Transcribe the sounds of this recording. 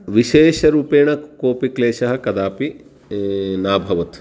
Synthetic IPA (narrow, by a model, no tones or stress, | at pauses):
ʋiʃeːʃɐɾuːpeːɳɐkoːpikleːʃɐɦɐ̆kɐd̪aːpi | naːbʱɐʋɐt̪